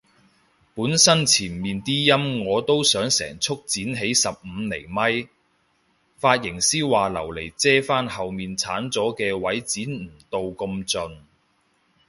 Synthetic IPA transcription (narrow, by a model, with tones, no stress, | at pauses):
puː˨˥nsɐ˥nt͡sʰiː˨˩nmiː˨nt̪iː˥jɐ˥mŋɔː˨˧t̪o˥wsœː˨˥ŋsɛ̰ː˨˩ŋt͡sʰʊ˥k̚t͡siː˨˥nɦe˨˥jsɐ˨p̚m̩ː˨˧ne˨˩jmɐ˥j | faː˧t̚jɪ˨˩ŋsiː˥waː˨lɐ˨˩wle˨˩jt͡sɛː˥faː˥nhɐ˨wmiː˨nt͡sʰaː˨˥nt͡sɔː˨˥kɛː˧wɐ˨˥jt͡siː˨˥nm̩˨˩t̪o˨˧wko˧mt͡sɵ˨n